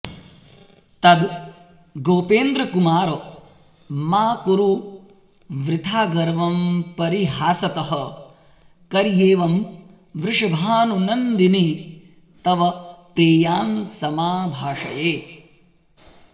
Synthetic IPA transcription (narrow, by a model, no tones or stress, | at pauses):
t̪ɐd̪ | ɡoːpeːnd̪ɾɐkumaːɾo | maːkuɾu | ʋɾɪt̪ʰaːɡɐɾʋɐmpɐɾiɦaːsɐt̪ɐɦɐ | kɐɾjeːʋɐm | ʋɾɪʂɐbʱaːnunɐnd̪ini | t̪ɐʋɐpɾeːjaːnsɐmaːbʱaːʂɐjeː